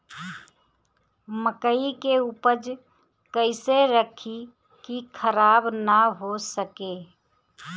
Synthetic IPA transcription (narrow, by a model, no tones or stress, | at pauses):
məkəikeuːpəd͡ʒ | kəɪseɾəkʰi | kikʰəɾaːbnəɦosəke